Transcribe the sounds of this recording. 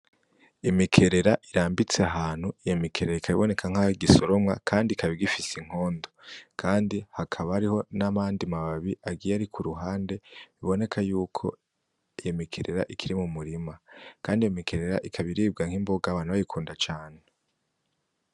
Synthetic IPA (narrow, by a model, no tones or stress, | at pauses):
imikʰe̞ɾe̞ɾaʔiɾaːmbit͡seaɦaːn̥huijemikʰe̞ɾeɾaikʰaβiβo̞ne̞kʰaŋ̥aiɡiso̞ɾo̞mŋakʰaːndikʰaβiɡifisiŋ̥o̞ːndo̞kʰaːndihakʰaβaaɾiho̞namaːndimaβaβiʔaɡijaɾikʰuɾuɦaːnde̞βiβo̞ne̞kʰajuːkʰo̞̰ | ijemikʰe̞ɾe̞ɾa̰ʔikʰiɾimumuɾimakʰaːndijomikʰe̞ɾe̞ɾa̰ʔikʰaβiɾiːb̚ɡaŋ̥imbo̞ɡaβaːn̥uβajikʰuːndat͡ʃaːn̥ee